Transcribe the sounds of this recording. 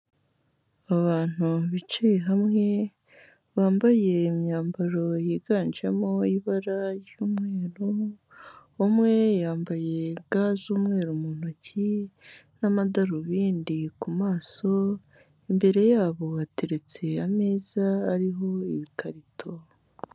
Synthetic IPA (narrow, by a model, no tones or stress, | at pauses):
aβaːn̥uβit͡ʃeɦamŋe̞ | βaːmbaje̞ːmɲaːmbaɾo̞jiːɡaːnd͡ʒamoiβaɾajjuːmŋe̞ːɾu | omŋe̞jaːmbaje̞ɡaːzuːmŋe̞ːɾumun̥ocinamadaɾuβiːndikumaːso̞ | embe̞ɾe̞jaːβo̞βate̞ɾe̞t͡se̞ameːzaːɾiɦo̞iβikaɾitʰo